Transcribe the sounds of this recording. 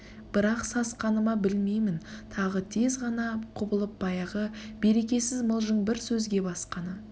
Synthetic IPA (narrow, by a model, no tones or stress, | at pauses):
b̥ɪɾɑqsɑsqɑnəmɑbɪlme̞jmɪnt̪ʰɑʁət̪ʰe̞zʁɑnɑqʰʊbəlˠəp̚bɑjɑʁəbe̞ɾe̞kʲe̞sɪzməlˠʒəɴbɪɾsɵzɡʲe̞bɑsqɑnə